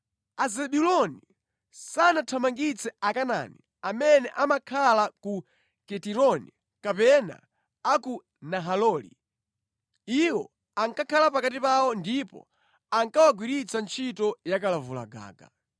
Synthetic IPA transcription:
azɛɓulɔni | sanatʰamaŋɡit͡sɛakana̰nḭ | amɛnɛʔamakʰalaku | kɛtiɾɔni | kapɛna̰ | aku | naɦalɔːlḭ | iwɔ̰ | aŋkakʰalapakatipawɔndipɔ̰ | aŋkawaɡwiɾit͡sant͡ʃʰitɔjakalavula̰ɡa̰ːɡa̰

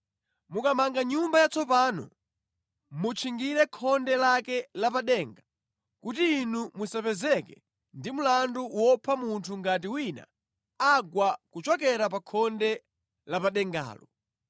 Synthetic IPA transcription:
mukamaŋɡaɲumbajat͡sɔpaːnɔ̰ | mut͡ʃʰiŋɡiɾɛkʰɔndɛlakɛlapaɗɛːŋɡa | kutiːnumusapɛzɛkɛ | ndimulanduwɔpʰamuntʰuŋɡat̬iwina̰ | aɡwakut͡ʃwak̬ɛɾapakʰɔndɛ | lapaɗɛŋɡa̰ːlɔ

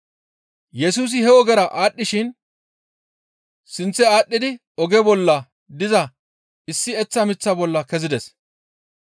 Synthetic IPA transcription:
jɛsuːs̬ɪhɛɔɡɛɾɐʔaːɗːɪʃɪn | sɪnt͡sːɛaːɗːɪd̪ɪ | ɔɡɛbɔlːɐ | d̪ɪzɐ | ɪsːɪɛt͡sːɐmɪt͡sːɐbɔlːɐkɛzɪd̪ɛs

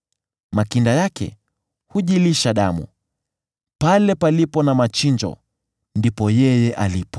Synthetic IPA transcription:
makindajakɛ̰ | huʄiliʃaɗamṵ | palɛpalipɔnamat͡ʃind͡ʒɔ̰ | ndipɔjɛjɛʔalipɔ̥

